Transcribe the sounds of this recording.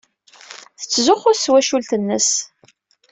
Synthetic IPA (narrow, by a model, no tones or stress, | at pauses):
θə̥t͡sːzʊχʊɾswæʃult̪ənːəs